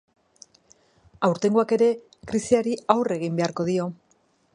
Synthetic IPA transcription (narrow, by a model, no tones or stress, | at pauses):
awɾt̪e̞ŋɡuake̞ɾe̞ | kɾisiaɾiawre̞ɣ̞imbe̞aɾko̞ðio̞